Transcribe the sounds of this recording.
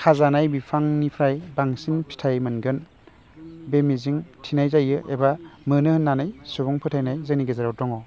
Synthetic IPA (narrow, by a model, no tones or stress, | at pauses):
kʰazanajbipʰaŋnipʰɾajbaŋsinpʰi̥tʰajmɯnɡɯn | bemiziŋtʰinajzajɯʔebamɯnɯhɯnːanajsubɔŋpʰɯtʰajnajzɯniɡezaɾawtɔŋɔ